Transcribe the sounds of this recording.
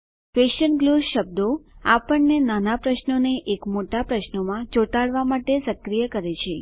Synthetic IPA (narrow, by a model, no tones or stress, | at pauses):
feʃənɡluɾʃəb̚d̪oapəɳnenanapɾəʃnoneʔekmoʈapɾəʃnomãd͡ʒoʈaɭʋamaʈesəkɾijəkəɾet͡ʃʰe